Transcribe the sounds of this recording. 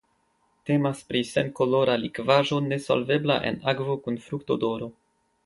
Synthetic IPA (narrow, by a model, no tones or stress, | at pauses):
te̞maspɾise̞nkolo̞ɾalikvaʒo̞ne̞so̰lve̞blaʔe̞̰naɡvo̞kunfɾuktodo̞ɾo̞